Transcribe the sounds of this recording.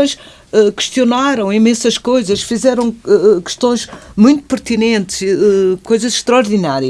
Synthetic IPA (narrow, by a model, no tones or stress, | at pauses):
õj̃ʃ | ɛkɨ̥ʃt̪ijunaɾɐ̃w̃imẽsɐʃkojzɐʃfizɛɾɐ̃w̃ɛkɨ̥ʃt̪õj̃ʃmũj̃t̪u̥pɨɾt̪inẽnt̪ʃɛkojzɐzʃt̪ɾɐɔɾðinaɾiɐ